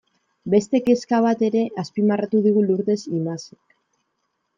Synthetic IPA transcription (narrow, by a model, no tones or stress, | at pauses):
be̞st̪e̞ke̞skaβat̪e̞ɾe̞ʔaspimarat̪uðiɣ̞uluɾt̪e̞simasek